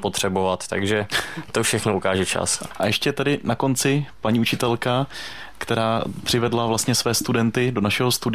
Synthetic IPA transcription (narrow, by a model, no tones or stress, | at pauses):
pot̪r̝̥ɛbovat̪t̪a̰ɡʒɛt̪ofʃɛxnoukaːʒɛt͡ʃa̰sʔajɛʃcɛt̪ɛdɪnako̞nt͡sɪpaɲiːut͡ʃɪt̪ɛlka | kt̪ɛɾaːpr̥ɪvɛdlavlast̪ɲɛsvɛːst̪udɛnt̪ɪdo̞naʃɛɦo̞st̪udɪ